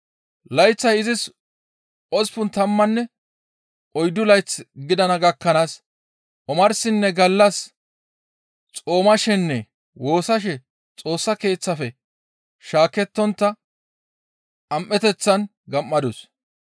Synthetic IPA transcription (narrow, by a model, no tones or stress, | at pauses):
lɐjt͡sːɐjɪzɪs | ʔɔspʊnt̪ɐmːɐnːɛ | ɔjd̪ʊlɐjt͡sːɡɪd̪ɐnɐɡɐkːɐnaːs | ʔɔmɐɾsɪnːɛɡɐlːɐs | t͡sʼo̞ːmɐʃɛnːɛ | wo̞ːsɐʃ̬ɛ | t͡sʼo̞ːsːɐke̞ːt͡sːɐfɛ | ʃaːkɛt̪ːɔnt̪ːɐ | ʔɐmʔːɛt̪ɛt͡sːɐn | ɡɐmːɐd̪ʊs